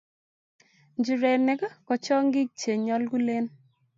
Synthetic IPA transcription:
ɲd͡ʒi˨ɾe˨nɛ˨˦ka˦kɔ˨t͡ʃɔ˦ŋɡɪ˦k̚t͡ʃe˨ɲɔ˦lɡu˦le˦n

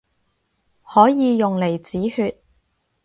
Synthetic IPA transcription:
hɔː˨˥jiː˨˧jʊ˨ŋle˨˩jt͡siː˨˥hyː˧t̚

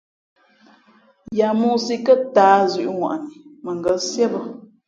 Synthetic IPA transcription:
ja˨mu˦si˦kə˦taː˨˦zʉ˨ʔŋwa̰˨ʔni˨mə˨ŋ˨ɡə˨˦sjɛ˦bə˦

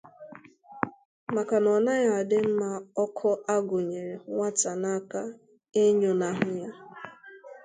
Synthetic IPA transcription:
ma˨ka˨nɔ˨na˦ja˨a˨dɪ˦m̩˦ma˦ɔ˦kʰɔ˦a˦ɡʊ˨ɲe˨ɾe˨ŋʷa˦ta˨na˦ka˦ | e˦ɲo˨na˨ɦʊ˦ja˦

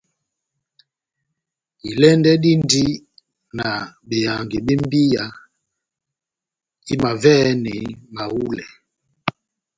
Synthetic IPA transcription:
i˨lɛ˦ndɛ˦ɗi˦ndi˦ | na˨ɓe˨ja˨ŋɡi˨ɓe˦m˦bi˦ja˨ | i˦ma˨vɛ˦nɛ˨ma˨wu˦lɛ˨

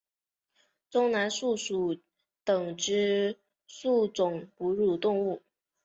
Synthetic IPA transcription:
t̪ʊ˥ŋna˧˥nʂu˥˩ʂu˨˩ | t̪ɤ˨˩ŋʈ͡ʂɻ̩˥ | su˥˩t͡sʊ˨˩ŋpu˧˥ɻu˨˩t̪ʊ˥˧ŋu˥˩

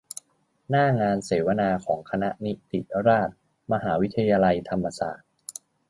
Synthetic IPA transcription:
naː˥˩ŋaː˧nseː˩˦wa˧naː˧kʰɔː˩˦ŋkʰa˧na˦˥ʔni˦˥t̪i˨˩ɾaː˥˩t̪̚ | ma˧ɦaː˩˦wi˦˥t̪ʰːa˧jaː˧la˧jt̪ʰa˧mːa˧sa̰ː˨˩t̪̚

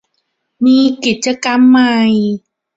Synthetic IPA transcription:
miː˧ki˨˩t̪̚t͡ɕa˧ka˧mːa˧˩j

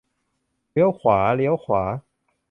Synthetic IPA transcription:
ljo˧˦ʊxwa˨˥˦ljo˧˥ʊxwa˨˩˦

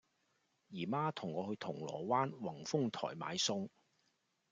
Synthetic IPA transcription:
jiː˨˩maː˥t̪ʰʊ˨˩ŋːɔː˨˧hɵ˧t̪ʰʊ˨˩ŋlɔ̰ː˨˩waː˥nwɐ˨˩ŋfʊ˥ŋt̪ʰɔ̰ː˨˩jma̰ː˨˧˥jsʊ˥ŋ

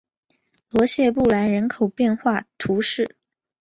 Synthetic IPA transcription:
lwɔ˧˥ɕjɛ˥˧pu˥˩la˧˥ɪɻə˧˥nkʰo˨˩ʊpjɛ˥˧nxwa˥˩t̪ʰu˧˥ʂɻ̩˥˩

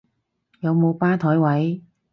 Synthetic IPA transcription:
jɐ˨˧wmo˨˧wpaː˥t̪ʰɔː˨˥jwɐ˨˥j

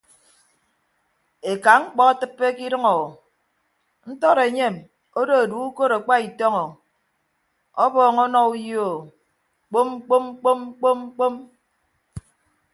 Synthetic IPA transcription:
e˨ka˨ŋ̩˦k͡pɔ˦a˦tɨ˦pːe˦ki˦ɾɨ˦ŋɔ˨ | n̩˦tɔ˦ɾe˨ɲe˦˨m | o˦do˦e˨du˨˦u˦ko˦ɾa˨k͡pa˦i˨tɔ˦ŋɔ˨ | ɔ˦bɔː˨ŋɔ˦nɔ˦u˦jo˨ | k͡po˦m˦k͡po˦m˦k͡po˦m̩˦k͡po˦m̩˦k͡po˦m

